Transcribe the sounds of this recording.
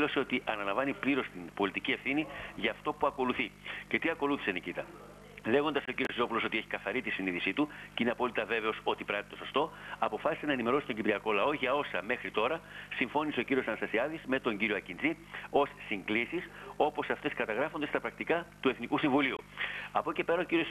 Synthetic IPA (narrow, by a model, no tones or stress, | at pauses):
lo̞se̞o̞t̪iʔɐnɐlɐɱvɐnipliɾo̞st̪inbo̞lit̪icie̞fθiniʝɐːft̪o̞puɐko̞luθice̞t̪iɐko̞luθi̥senicit̪ɐ | le̞ɣo̞nd̪ɐso̞ciɾio̞sio̞pulo̞so̞t̪ieçi̥kɐθɐɾit̪isiniðisit̪uceineɐpo̞lit̪ɐve̞ve̞o̞so̞t̪ipɾɐt̪it̪o̞so̞st̪o̞ɐpo̞fɐsi̥senɐenime̞ɾo̞si̥t̪o̞ɲɟipɾiɐko̞lɐo̞ʝɐo̞sɐme̞xɾit̪o̞ɾɐsiɱfo̞niseociɾio̞sɐnɐst̪ɐsiɐðizme̞t̪o̞ɲɟiɾioɐcind͡zi | o̞sːiŋɡlisiso̞posɐft̪e̞skɐt̪ɐɣɾɐfo̞nd̪est̪ɐpɾɐk̚t̪ikɐt̪ue̞θnikusiɱvuliuɐpo̞ce̞pe̞ɾɐo̞ciɾios